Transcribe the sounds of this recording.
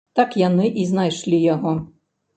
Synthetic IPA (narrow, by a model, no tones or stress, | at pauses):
t̪ɑkjanɪʔiznajʃlʲijɔɦɔ